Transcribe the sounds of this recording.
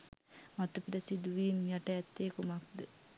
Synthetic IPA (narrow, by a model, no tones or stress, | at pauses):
mat̪upiɾəsid̪uʋiːmjaʈəɛt̪ːeːkumak̚d̪ə